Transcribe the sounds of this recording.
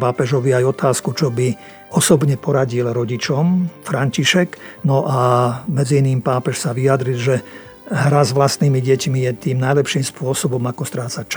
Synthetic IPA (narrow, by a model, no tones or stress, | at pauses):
paːpɛʒɔʋiajɔt̪aːskut͡ʃɔbi | ɔsɔbɲɛpɔɾaɟilɾɔɟit͡ʃɔmfɾaɲciʃɛknɔʔamɛd͡ziiniːmpaːpɛʃsaʋiad̪ɾilʒɛ | ɦɾazʋlast̪niːmiɟɛcmijɛt̪iːmnajlɛpʃiːmspʊɔsɔbɔmakɔst̪ɾaːt͡sat͡ʃ